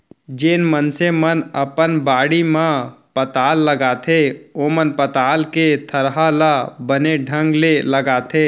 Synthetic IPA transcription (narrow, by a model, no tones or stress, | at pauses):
d͡ʒeːnmənsemənəpənbaːɽimãpət̪aːlːəɡaːt̪ʰeomənpət̪aːlket̪ʰəɾɦalabəneɖʱə̃ŋɡleləɡaːt̪ʰe